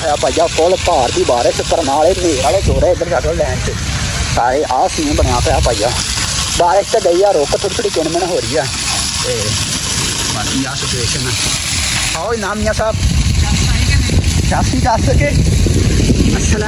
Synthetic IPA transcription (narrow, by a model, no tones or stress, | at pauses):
jaːpaːijaːkoːlpaːɾd̪iːbaːɾesk̪əɾnaːɭeːmeːɾaːleːd͡ʒoːɾeːɪɡəɾd͡ʒəkəllɛ̃ːɳt͡ʃːsaːɾeːʔaːsĩːbəɳjaːpəjaːpaːijaː | baːɾəst͡ʃ̪ɛːɡəiːaːɾoːkət̪ʰoːit̪ʰoːɽiːkɪɳmənɦoːɾiːɛː | t̪eː | baiːaːsɪt͡ʃueːʃənɛː | aːiːnãːmiːjãːsaːb | t͡ʃaːsiːt͡ʃaːsəkeː | ə